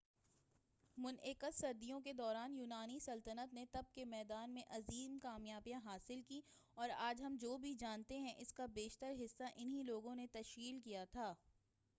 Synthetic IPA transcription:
mʊnɪkət̪sɐɾd̪ijõk̬ed̪ɔːɾaːnjuːnaːnisɐlt̪ənət̪net̪ɐb̚kemɛːd̪aːnmẽʔɐziːmkaːmjaːbijãɦaːsɪlki | ɔːɾaːd͡ʒɦɐmd͡ʒoːbʱid͡ʒaːnt̪eɦɛ̃ʔɪskabeːʃt̪əɾɦɪsːaʔɪnɦiloːɡõnet̪ɐʃkiːlkijat̪ʰaː

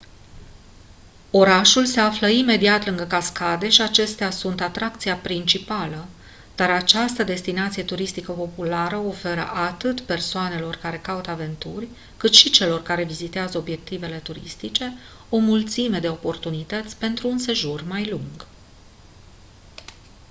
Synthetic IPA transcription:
o̞ɾaʃulse̞afləime̞d̪iat̪lɨŋɡəkaskad̪e̞ʃiat͡ʃe̞st̪easunt̪at̪ɾakt̪sijapɾint͡ʃipalə | d̪̥aɾat͡ʃast̪əd̪e̞st̪inat̪sijet̪uɾist̪ikəpo̞pulaɾəo̞fe̞ɾə̰ʔat̪ɨt̪pe̞rsoane̞lo̞rkaɾe̞kaut̪ave̞nt̪urʲ | kɨt̪ʃit͡ʃe̞lo̞rkaɾe̞vizit̪eazəo̞bje̞k̚t̪ive̞le̞t̪uɾḭst̪it͡ʃe̞ | o̞mult̪sime̞d̪e̞o̞po̞rt̪unit̪ət̪sʲpe̞nt̪ɾuːnse̞ʒurmajluŋɡ

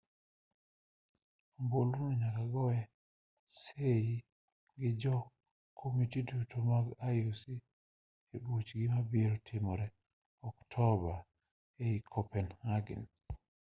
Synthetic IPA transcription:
mbolunɔɲakaɡɔwɛ | seji | ɡɪd͡ʒɔ | kʰomitidutʰomaɡajosi | ebut͡ʃɡɪmabiɾɔtʰɪmɔɾɛ | ɔktʰɔba | eikʰɔpɛnhaɡɪ̰n

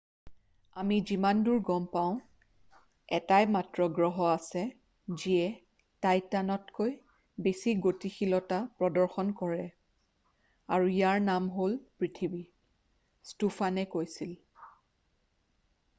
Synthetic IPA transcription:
amizimanduɹɡɔmpaʊ̃ | ɛtajmatɹɔɡɹɔɦɔasɛ | ziɛ | tajtanɔtkoj | besiɡotixilɔtapɹɔdɔɹxɔnkɔɹɛ | aɹuijaɹnamɦolpɹitʰibi | stufanɛkojsil

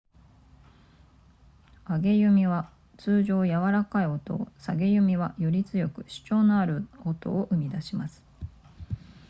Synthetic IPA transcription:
aɡe̞jɯ̟mʲiβa | t͡sɨːʑo̞ːjaβaɾakaio̞t̪o̰saɡe̞jɯ̟mʲiβajoɾʲit͡sɨjo̞kɯ̟̥ɕɨ̥t͡ɕo̞ːnoaɾɯ̟ot̪o̞̰ːʔɯ̟mʲid̪aɕimasɨ̥

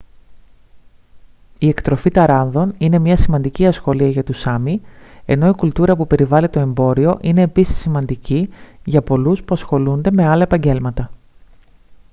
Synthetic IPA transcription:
ie̞kt̪ɾo̞fit̪ɐɾɐnðo̞nine̞mɲɐsimɐnd̪iciɐsxo̞liɐʝɐt̪usɐmie̞̰no̞ikult̪uɾɐpupe̞ɾivɐlit̪o̞e̞mbo̞ɾio̞ʔine̞ːpisi̥sːimɐnd̪iciʝɐpo̞luspuɐsxo̞lund̪e̞me̞ɐlɐe̞pɐɲɟe̞lmɐt̪ɐ

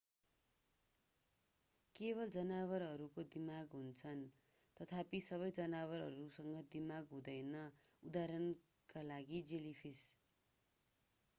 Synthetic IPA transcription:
keβʌld͡zʌnaβʌrɦʌɾukod̪imaɡɦunt͡sʰʌn | t̪ʌt̪ʰapisʌβʌjd͡zʌnawʌrɦʌɾusʌŋɡʌd̪imaɡɦũd̪ʌjnʌud̪aɾʌn | kalaɡid͡zelipʰis

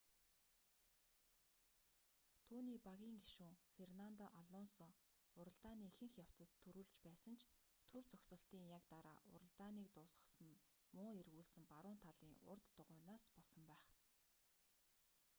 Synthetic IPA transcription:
t̪ʰuːniːpaɣʲiːŋɡiʃuːfernant̪ɔʔaɮɔnsɔ | ʊɾə̆ɮt̪aːniːxɘ̆ŋxjaw̥t͡sə̆t̪ʰːɵɾuːɮt͡ɕpæːsə̆nt͡ɕʰ | t̪ʰɵrt͡sɔksə̆ɬt̪iːŋjakt̪aɾa̰ːʔʊ̰ɾə̆ɮt̪aːniːk̚t̪ʊːsə̆sə̆n | mʊːerɣuːɮsɘ̆mpaɾʊːnt̪ʰaɮiːŋʊ̰rt̪ːʊʁʊːnaːspɔɮsɞ̆mpæːχ

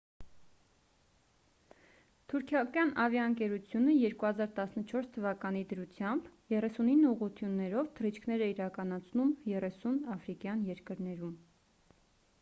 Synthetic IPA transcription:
t̪ʰuɾkʰjɑkɑnɑvjɑəŋkɛɾut͡sʰjunəjɛɾkuhɑzɑɾt̪ɑsnət͡ʃʰɔɾst̪ʰəvɑkɑnid̪əɾut͡sʰjɑmbjɛrɛsuninːəuʁut̪ʰjunːɛɾɔvt̪ʰərit͡ʃʰkʰnɛɾɛiɾɑkɑn̪ɑt͡sʰnumjɛrɛsunɑfɾikjɑnjɛɾkəɾnɛɾum

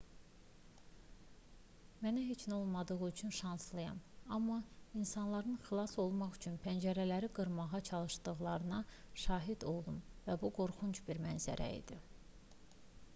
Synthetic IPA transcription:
mænæɦet͡ʃʰno̞lˠmɑd̪ɯʁɯyt͡ʃʰynʃɑnslˠɯjɑ̰mɑmːɑinsɑnlˠɑɾɯnxilˠɑso̞lˠmɑχyt͡ʃʰynpʰænd͡ʒæɾælæɾiɡɯɾmɑʁɑt͡ʃʰɑlˠɯʃd̪ɯɣlˠɑɾɯnɑʃɑːɦid̪o̞lˠumvæbuɡo̞ɾχunt͡ʃbiɾmænzæ̰ɾʔæ̰ḭd̪i

